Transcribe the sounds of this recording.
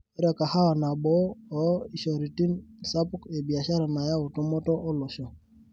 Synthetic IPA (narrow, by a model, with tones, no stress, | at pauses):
e˦ɾɛ˨ka˨ha˦wa˨na˨bɔ˦ɔ˨˦i˨ʃɔ˨ɾi˨ti˦nsa˦pʊ˦ke˨bi˨a˨ʃa˦ɾa˨na˨ja˦ʊ˨tʊ˦mɔ˦tɔ˦ʔɔ˦lɔ˨ʃɔ˨